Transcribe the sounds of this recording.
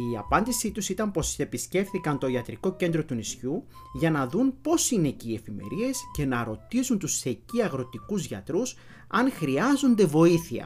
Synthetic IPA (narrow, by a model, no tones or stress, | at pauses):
iɐpɐnd̪isit̪usit̪ɐmpo̞se̞pisce̞fθikɐnt̪o̞iɐt̪ɾiko̞ce̞nd̪ɾo̞t̪unisçu | ʝɐnɐðunpo̞sine̞ciːe̞fime̞̰ɾie̞sce̞nɐɾo̞t̪isunt̪use̞ciɐɣɾo̞t̪ikuzʝɐt̪ɾus | ɐnxɾiɐzo̞nd̪e̞vo̞iθiɐ̰